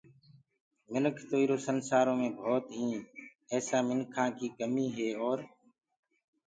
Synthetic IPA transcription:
mɪnəkʰt̪oːiːɾoːsənsaːɾõːmẽːbʱoːt̪ɦĩː | ɛːsaːmɪnkʰãːkiːkəmiːɦeːɔːɾ

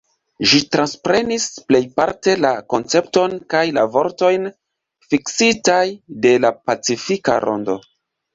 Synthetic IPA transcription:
ʒitɾanspɾe̞nisple̞jpa̰ɾte̞lako̞nt͡se̞pto̞nkajlavo̞ɾto̞jn | fiksitajde̞lapat͡sifika̰ɾo̞̰ndo̞

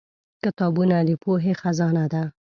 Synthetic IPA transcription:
kɪt̪ɑbunad̪əpoɦexazɑnad̪a

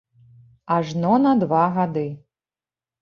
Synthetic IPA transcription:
aʐnɔnɐd̪vaɣad̪ɨ

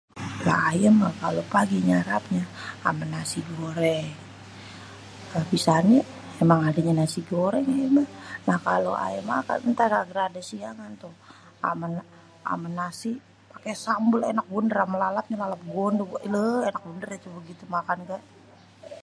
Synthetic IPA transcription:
la̰ajəmakalopaɡiɲaɾap̚ɲaa̰manasiɡoɾɛ | abisani | emaŋadaɲanasiɡoɾɛŋajəmanahkalo̰ʔa̰jəma̰ka̰nnt̪aɾaɡɾadasiaŋant̪u | a̰man | a̰manasi | pakesambulenak̚bundəɾamalalap̚ɲalalap̚ɡondəʔləenak̚bundərat̪ubəɡit̪umakanɡaʔ

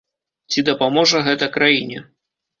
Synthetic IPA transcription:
t͡sʲid̪ɐpamɔʐɐɣɛt̪ɐkɾajinʲɛ

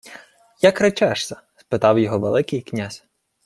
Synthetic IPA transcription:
jɐkɾɐt͡ʃɛʃsʲɐ | spɪt̪ɑwjɔɦɔʋḛlˠɪkɪjknʲazʲ

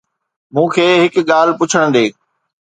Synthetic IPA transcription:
mũːkʰeːɦɪkɠaːlpʊt͡ɕʰəɽ̃d̪eː

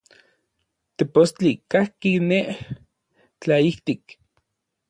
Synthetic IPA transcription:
t̪epost͡ɬikahkineʔ | t͡ɬaiht̪ik

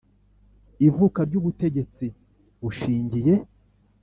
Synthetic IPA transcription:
ivukaɾɟuβute̞ɟe̞t͡si | βuʃiːɲɟije̞

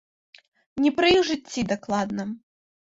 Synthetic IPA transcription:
nʲɛpɾɨjixʐɨtt͡sʲːid̪aklˠad̪nɐ

